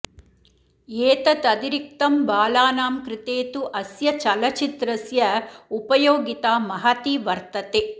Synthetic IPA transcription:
eːt̪ɐt̪ɐd̪iɾik̚t̪ɐmbaːlaːnaːmkɾɪt̪eːt̪uʔɐsjɐt͡ʃɐlɐt͡ʃit̪ɾɐsjɐupɐjoːɡit̪aːmɐɦɐt̪iʋɐɾt̪ɐt̪eː

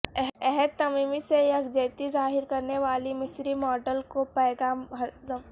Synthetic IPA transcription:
ɛɦɛd̪̚t̪ɐmiːmisejɐkd͡ʒeːt̪izaːɦɪɾkɐɾneʋaːlimɪsɾimɔːɖəlkopɛːɡaːɦ

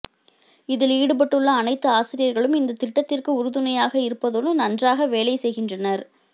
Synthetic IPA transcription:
ɪðɪliːɽɯp̬ɐʈːɯɭːɐːnɐɪt̪ːɯaːsɪɾɪjɐɾɣɐɭɯmɪnd̪ɐt̪ɪʈːɐt̪ːɪrkɯʊɾɯðɯnɐjaːɣɐɪɾɯpːɐðoːnɐnɐndraːɣɐʋeːlɐɪsɛjɣɪndrɐnɐɾ

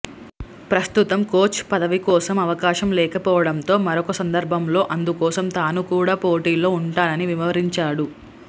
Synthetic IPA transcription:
pɾɐst̪ut̪ɐmkoːt͡ʃpɐd̪ɐʋikɔːsɐmɐʋɐkaːʃɐmlɛːkɐpɔːʋɐɽɐnt̪o̞ːmɐɾɔkɐsɐnd̪ɐɾbʱɐmlo̞ːʔɐnd̪ukɔːsɐmt̪aːnukuːɽaːpoːʈiːlo̞ːuɳʈaːnɐniʋimɐʋɐɾiɲt͡ʃaːɽu

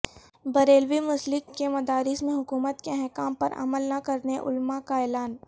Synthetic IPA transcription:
bɐɾeːlʋimʊslɪkkemɐd̪aːɾɪsmẽɦʊkuːmət̪keɦɛkaːmpɐɾɐ̰məlnakɐɾneʔʊ̰lmakaɛːlaːn

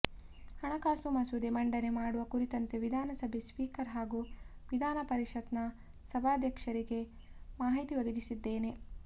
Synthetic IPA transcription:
hɐɳɐkaːsumɐsud̪emɐɳɖɐne̞maːɽuʋɐkuɾit̪ɐnt̪eʋid̪ʱaːnɐsɐbʱespiːkɐɾɦaːɡuʋid̪ʱaːnɐpɐɾiʃɐt̪nɐ | sɐbʱaːd̪ʱjɐkʂɐɾiɡe̞ | maːɦit̪iʋɐd̪ɐɡisid̪ːeːne̞

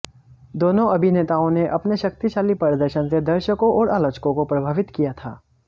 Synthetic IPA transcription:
d̪oːnõɐbʱineːt̪aːõneʔɐpneʃɐkt̪iʃaːlipɐɾd̪əɾʃənsed̪ɐɾʃəkõʔɔːɾʔaːloːt͡ʃkõkopɾɐbʱaːʋɪt̪kijat̪ʰa̰ː

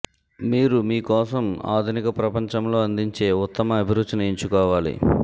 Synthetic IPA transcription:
miːɾumiːkɔːsɐma̰ːd̪ʱunikɐpɾɐpɐɲt͡ʃɐmlo̞ːɐnd̪iɲt͡ʃe̞ːut̪ːɐmɐɐbʱiɾud̪ːinɐeɲt͡ʃukɔːʋaːlḭ

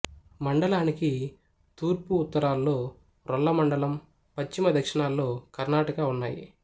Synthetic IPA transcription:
mɐɳɖɐlaːniki | t̪uːɾpuːt̪ːɐɾaːlːo̞ː | ɾɔɭːɐmɐɳɖɐlɐm | pɐt͡ʃːimɐd̪ʱɐkʂɐɳaːlːo̞ːkɐɾnaːʈɐkaːunːa̰ːjḭ

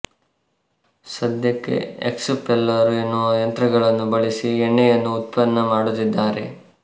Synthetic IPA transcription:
sɐd̪jɐkːḛḛksupɛlːɐɾuenːuʋɐjɐnt̪ɾɐɡɐɭɐnːubɐɭisieɳːejɐnːuːt̪̚pɐnːɐmaːɽut̪ːid̪ːaːɾe̞̰

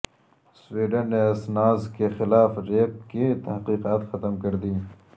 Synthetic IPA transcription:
swiːɖənːeɐsnaːzkexɪlaːfɾeːp̚kit̪ɐɦqiːqaːt̪xɐt̪əmkɐɾd̪iː

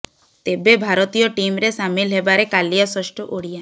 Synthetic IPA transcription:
t̪ebebʱaɾot̪ijɔʈimɾesamilɦebaɾekalijasɔʃʈɔʔoɽija

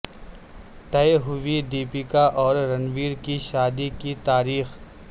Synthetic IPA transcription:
ʈ̪ɐeɦʊʋiɖiːpikaʔɔːɾɾɐnʋiːɾkiʃaːd̪ikit̪aːɾiːx

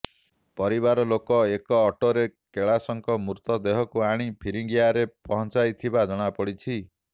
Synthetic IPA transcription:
pɔɾibaɾɔlokɔekɔːʈoɾekeɭasɔŋkɔmuɾt̪ɔd̪eɦɔkuaɽ̃ipʰiɾiŋɡjaɾepɔɦɔnt͡ʃajt̪ʰibad͡ʒɔɽ̃apɔɽit͡ʃʰi

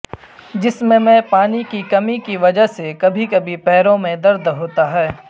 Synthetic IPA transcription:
d͡ʒɪsmẽmɛ̃paːnikikɐmikiʋɐd͡ʒəɦsekɐbʱikɐbʱipɛːɾõmẽd̪ɐɾd̪ɦoːt̪aɦɛː

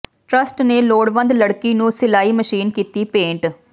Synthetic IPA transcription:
ʈɾɐsʈneloːɽʋɐnd̪lɐɽkːinuːsɪlaːjimɐʂiːnkit̪ːipeːɳʈ

